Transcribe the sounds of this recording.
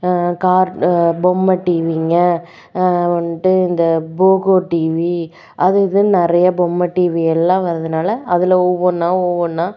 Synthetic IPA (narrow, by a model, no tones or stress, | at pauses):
kaːɾbɔmːɐʈiːʋiːŋɡɐ | ʋɐnʈːɯɪnd̪ɐboːkoːʈiːʋi | ʔɐðɯðɯnɪɾɐjɐbɔmːɐʈiːʋiɛlːãːʋɐɾɐðɯnaːlɐʔɐðɪlɐɔʋːɐɾnãːɔʋoɾnãː